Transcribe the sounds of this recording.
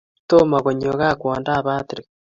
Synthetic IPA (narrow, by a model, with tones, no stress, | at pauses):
to˦maɣo˨ɲoɣa˦kwaːndaː˦βa˦tiɾe